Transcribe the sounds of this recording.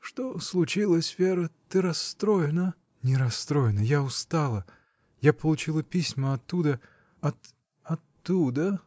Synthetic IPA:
ʂt̪oslˠʊt͡ɕilˠəsʲvʲeɾət̪ɨɾɐst̪ɾojɪnə | nʲɪɾɐst̪ɾo̞jɪnəjaʊst̪alˠə | japəlˠʊt͡ɕilˠəpʲisʲməɐt̪ːud̪ə | ɐt̪ | ɐt̪ːud̪ə

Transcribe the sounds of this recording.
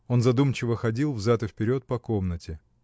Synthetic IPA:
o̞nzɐd̪umt͡ɕɪvəxɐdʲilˠvzat̪ɨfpʲɪɾʲo̞t̪̚pɐko̞mnətʲɪ

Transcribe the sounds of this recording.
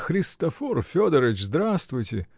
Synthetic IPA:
xɾʲɪst̪ɐforfʲod̪əɾʲɪt͡ɕzd̪ɾast̪vʊjtʲɪ

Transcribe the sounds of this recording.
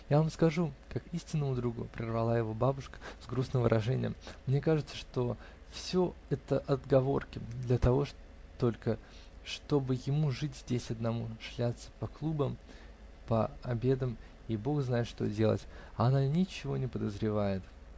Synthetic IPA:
javamskɐʐukakisʲtʲɪnːəmʊd̪ɾuɡʊ̰pɾʲɪrvɐlˠajɪvo̞babʊʂkə̥zɡɾusnɨmvɨ̰ɾʔɐʐɛnʲɪ̰jə̰mːnʲe̞kaʐɨt̪səʂt̪o̞ | fsʲo̞ɛt̪əʔɐd̪ɡɐvo̞̰rkʲɪd̪lʲət̪ɐvo̞ʂ | t̪o̞lʲkə | ʂt̪o̞bɨjɪmuʐɨtʲzʲdʲesʲɐd̪nɐmuʂlʲat̪sə̥pɐklˠubəm | pəɐbʲe̞d̪əm | ibo̞xznajɪt̪ʂt̪o̞̰dʲe̞lˠə̰tʲɐɐnanʲɪt͡ɕɪvo̞nʲɪpəd̪əzɾʲɪvajɪt̪

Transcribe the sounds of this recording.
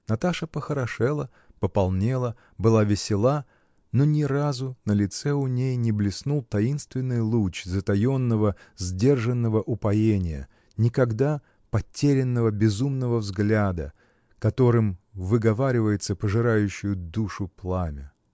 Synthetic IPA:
nɐt̪aʂəpəxəɾɐʂɛlˠə | pəpɐlˠnʲe̞lˠə | bɨlˠavʲɪsʲɪlˠa | nonʲɪɾazʊnəlʲɪt̪sɛʊnʲejnʲɪblʲɪsnulˠt̪ɐinst̪vʲɪnːɨjlˠut͡ɕzət̪ɐjo̞nːəvəzʲdʲe̞rʐɨnːəvəʔʊpɐjenʲɪjə̰ | nʲɪkɐɡd̪a | pɐtʲːeɾʲɪnːəvəbʲɪzumnəvəvzɡlʲad̪ə̰ | kɐt̪o̞ɾɨmvɨɡɐvaɾʲɪvəjɪt̪səpəʐɨɾajʉɕːʊjʊd̪uʂʊplˠamʲɪ

